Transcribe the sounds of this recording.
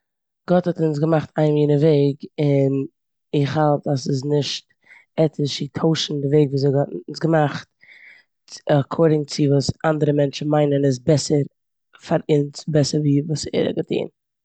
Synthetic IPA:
ɡ̥ɔthɔtʊns̬ɡəmaχtʰaɪmjiːnəveɪɡɪn | ɪχhalˠtasɪznɪʃt | ɛtʰɪʃɪtʰoʊʃn̩dɪveɪɡvuːzeɪɡɔtnsɡəmaχt̚ | akʰɔɾdɪŋt͡sɪvuːsandəɾəmɛnt͡ʃn̩maɪnənɪs̬bɛsəɾ | faɾɪnsbɛsəɾviːvuːsɛ̰ɾə̰ɡətʰḭːn

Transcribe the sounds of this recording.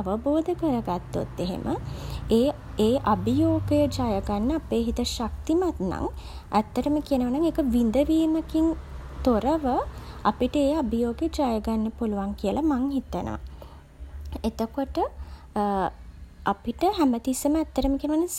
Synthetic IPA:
ʋəboːd̪əkəɾəɡat̪ːo̰t̪ːeɦḛmʔəeː | eːʔabijoːɡəjəd͡ʒajəɡanːəapeːɦit̪əʃak̚t̪imat̪na̰ŋ | ʔæt̪ːəɾəməkiənəʋanaŋeːkəʋind̪əʋiːməkiŋt̪oɾəʋəa̰piʈəeːabijoːɡəjəd͡ʒajəɡanːəpuluʋaŋkijəlamaŋɦit̪ənʔə̰ | et̪əkoʈə | apiʈəɦæmət̪isəməæt̪ːəɾəməkiənəʋanaŋ

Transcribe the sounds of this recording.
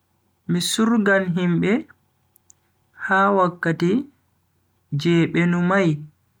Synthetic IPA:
misuɾɡalɦimɓɛ | hawakːati | d͡ʒɛːɓɛnumaj

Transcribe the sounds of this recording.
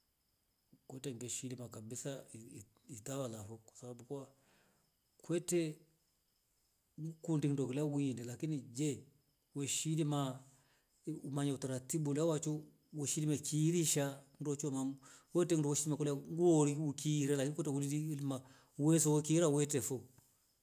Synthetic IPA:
kwɛtɛŋɡɛʃilimakabisa | itawalafɔkwḁsababukua | kwɛtɛ | ukundin̩dɔkilawindɛlakinid͡ʒɛ | wɛʃilima | umaɲautaɾatibulawat͡ʃu | wɛʃilimakʰiːɾiʃan̩dɔt͡ʃɔmawɛtɛn̩dɔwɛʃilimakɔlaŋɡuɔɾiukiːɾɛlakinikwɛtɛulidilma | wɛsɔwɔkiːɾawɛtɛfɔ

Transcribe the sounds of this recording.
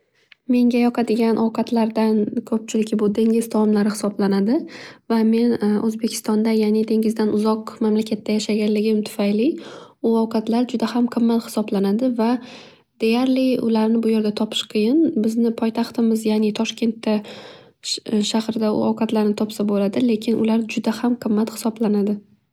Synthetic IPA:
me̞ŋɡʲajɒqʰɑd̪ɪɡʲanʔɒwqʰɑt̪ʰlaɾd̪ankʰɵp̚t͡ʃʰɪlɪkʲbʊd̪e̞ŋʲɪzt̪ʰɒɒmlaɾɪhɪ̥sɒblanad̪ɪvame̞nʔɵzbekʲʰɪ̥st̪ɒnd̪ajanɪd̪e̞ŋʲɪzd̪anʊzɒqmamlakʲʰat̪ʰːajaʃaɡʲanlɪɡʲɪmt̪ʰʊ̥fajlɪʊɒwqʰɑt̪laɾd͡ʒʊd̪ahamqʰɨmːat̪hɪ̥sɒblanad̪ɪva | d̪̥e̞jaɾlɪʊ̰laɾnɪbʊjeɾɡʲat̪ʰɒpʰɪ̥ʃqʰɨjɪnbɪznɪpʰɒjt̪ʰaχt̪ɪmɪzjaːnɪt̪ʰɒʃkʲe̞nt̪ːa | ʃahɾɪd̪aʊ̰ɒwqʰɑt̪laɾnɪt̪ʰɒpsabolad̪ɪle̞kʲʰɪnʔʊ̰laɾd͡ʒʊd̪ahamqʰɨmːat̪hɪ̥sɒblanad̪ɪ

